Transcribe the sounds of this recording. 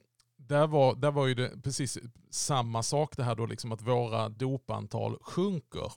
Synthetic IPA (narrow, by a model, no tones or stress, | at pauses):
d̪æɾvaɾd̪æɾvaɾjɵd̪ɛpʰɾɛsiːssamːasɑːkd̪ɛɦæːɖolɪ̰ksɔmat̪voːɾad̪uːpa̰nt̪ʰɑ̰ːlɧɵŋkə̰ɾ